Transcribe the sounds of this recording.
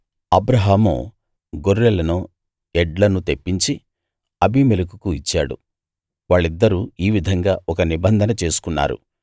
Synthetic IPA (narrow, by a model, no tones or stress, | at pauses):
ɐbɾɐɦaːmṵ | ɡoɾːɛlɐnu | ɛɖlɐnut̪e̞pːiɲt͡ʃi | ɐbʱimelukukuit͡ʃːa̰ːɽṵ | ʋaːɭːid̪ːɐɾuiːʋid̪ʱɐŋɡaːʔɔkɐnibɐnd̪ʱɐnɐt͡ʃe̞ːsu̥kunːa̰ːɾṵ